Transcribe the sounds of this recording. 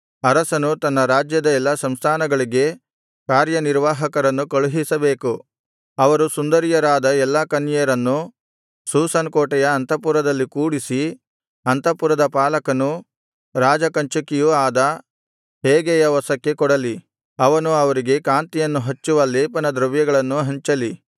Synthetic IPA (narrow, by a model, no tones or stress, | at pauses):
ɐɾɐsɐnut̪ɐnːɐɾaːd͡ʒjɐd̪ɐɛlːɐsɐmst̪ʰaːnɐɡɐɭiɡe̞ | kaːɾjɐniɾʋaːɦɐkɐɾɐnːukɐɭuɦisɐbe̞ːku | ɐʋɐɾusund̪ɐɾijɐɾaːd̪ɐɛlːɐkɐnjɐɾɐnːu | suːsɐnkɔːʈɛjɐːnt̪ɐp̬uɾɐd̪ɐlːikuːɽisi | ɐnt̪ɐpuɾɐd̪ɐpaːlɐkɐnu | ɾaːd͡ʒɐkɐɲt͡ʃɐkijuaːd̪ɐ | ɦeːɡɛjɐʋɔsɐkːe̞kɔɽɐli | ɐʋɐnuɐʋɐɾiɡe̞kaːnt̪ijɐnːuɦɐt͡ʃːuʋɐlːeːpɐnɐd̪ɾɐʋjɐɡɐɭɐnːuɦɐɲt͡ʃɐli